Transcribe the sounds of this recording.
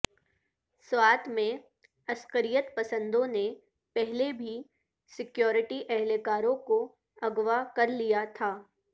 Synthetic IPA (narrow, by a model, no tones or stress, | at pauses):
swaːt̪ʰmẽ | ɐskəɾijət̪pɐsə̃nd̪õne | pɛɦlebʱi | sɪkjɔːɾɪʈiʔɛɦlekaːɾõko | ɐɡʋakɐɾlijat̪ʰaː